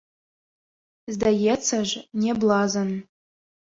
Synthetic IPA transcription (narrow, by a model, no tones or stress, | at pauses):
zd̪ajet͡sʰəʒnʲeblˠɑzən